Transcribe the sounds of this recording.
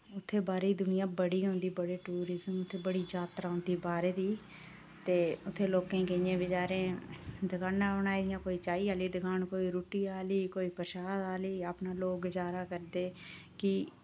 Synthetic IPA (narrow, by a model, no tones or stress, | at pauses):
ʊt̪ʰːeːbaːɾeiːd̪ʊnɪjãːbəɽiːãːnd̪iːbəɽeːʈuːɾɪzəmʊt̪ʰːeːbəɽiːd͡ʒaːt̪ɾaːʊnd̪iːbaːɾeːd̪iː | t̪eːʊt̪ʰːeːloːkẽːkɪɲẽːbɪt͡ʃaːɾẽːd̪əɡʰaːnãːɳaːid̪ɪjãːkoːiːt͡ʃaːiːaːliːd̪əɡaːnkoːiːɾoːʈiːaːliːkoːiːpəɾʃaːd̪aːliːaːpnaːloːkd͡ʒaːɾaːkəɾd̪eːkɪ